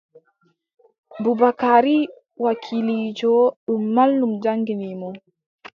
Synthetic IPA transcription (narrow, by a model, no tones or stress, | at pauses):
bubakaɾi | wakʰilid͡ʒɔɗumːalːumd͡ʒaŋɡinimɔ